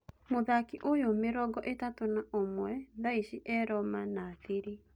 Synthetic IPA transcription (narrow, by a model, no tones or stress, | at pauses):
moðakiʔojomeɾɔɡɔʔetatonaomwɛðaiʃiʔɛɾɔmanaːθiɾi